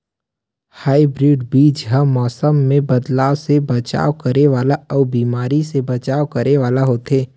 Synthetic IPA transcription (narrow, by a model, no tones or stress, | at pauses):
haːibɾiːɖbiːd͡ʒɦɐːɔːsəmːẽbɐd̪laːʋsebɐt͡ʃa̰ːʋkɐɾeʋaːlaɔːbiːmaːɾisebɐt͡ʃaːwkɐɾeʋaːlaɦoːt̪ɦeː